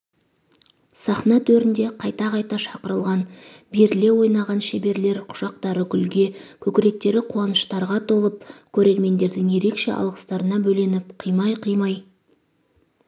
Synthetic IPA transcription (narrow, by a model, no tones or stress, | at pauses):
sɑχnɑt̪ʰɵɾɪnd̪e̞qʰɑjt̪ɑqɑjt̪ɑʃɑqəɾəlˠʁɑnbeɾɪle̞wo̞jnɑʁɑnʃebe̞ɾle̞ɾqʰʊ̥ʒ̥ɑq̚t̪ɑɾəɡʲʏlɡʲe̞kʲʰɵkʲɪɾe̞k̚t̪e̞ɾɪqʰuɑnəʃt̪ɑɾʁɑt̪ʰo̞lˠəp̚kʲʰɵɾe̞ɾme̞nd̪e̞ɾd̪ɪŋje̞ɾe̞kʃe̞̰ʔɑ̰lˠʁəst̪ɑɾənɑbɵle̞nɪpqʰijmɑjqʰijmɑj